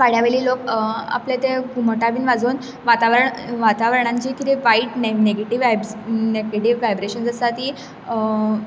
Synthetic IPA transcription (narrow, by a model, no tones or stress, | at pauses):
ʋaɽ̤jaʋeɭiːloka̰plet̪eɡuməʈaʋiːnʋad͡zuːn | ʋat̪aʋɾəɳʋat̪aʋəɾəɳãɲt͡ɕikit̪iʋaiʈneneɡeʈiʋabneɡeʈiʋːajbɾeɕənd͡zəst̪at̪i